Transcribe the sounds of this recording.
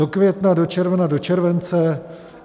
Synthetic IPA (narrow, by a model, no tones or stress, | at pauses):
o̞kvjɛt̪nadot͡ʃɛɾvnado̞t͡ʃɛɾvɛnt͡sɛ